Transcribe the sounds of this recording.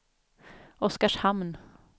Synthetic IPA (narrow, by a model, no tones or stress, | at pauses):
ɔskaʂhamn